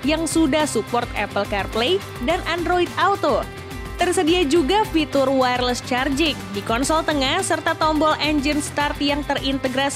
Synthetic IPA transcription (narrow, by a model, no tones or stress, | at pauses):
jaŋsudahsupɔrt̪ɛ̰pəlkarple | danʔandɾoit̪awt̪o | t̪ərsədiad͡ʒuɡafit̪ʊrwarləst͡ʃard͡ʒɪk̚dikɔnsɔlt̪əŋahsərt̪at̪ɔmbɔlʔɛɲd͡ʒənst̪art̪jaŋt̪ərint̪əɡɾas